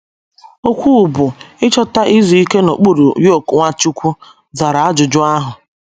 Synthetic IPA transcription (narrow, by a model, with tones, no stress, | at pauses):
o˦kʷu˦˨bʊ˨ɪ˦t͡ʃɔ˦ta˦ʔi˦zu˨i˦ke˦no̰˨k͡pu˨ɾu˨jo˦˨kŋʷa˦t͡ʃu˦kʷu˦ | za˨ɾa˨a˦d͡ʒʊ˨d͡ʒʊ˦a˦ɦʊ˨